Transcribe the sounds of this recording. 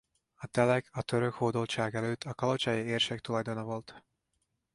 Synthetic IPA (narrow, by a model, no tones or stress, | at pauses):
ɒt̪ɛlɛkʰɒt̪ø̞ɾø̞khoːd̪olt͡ʃaːɡɛløːt̪ʰːɒkɒlo̞t͡ʃɒjieːrʃek̚t̪ulɒjd̪o̞nɒvo̞lt̪